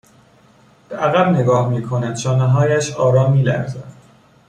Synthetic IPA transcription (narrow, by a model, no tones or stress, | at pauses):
b̥eʔæɣæbne̞ɡɒːhmiːkʰo̞næd̪̥ʃɒːneɦɒːjæʃɒːɾɒːmːiːlæ̰ɾzæd̪̥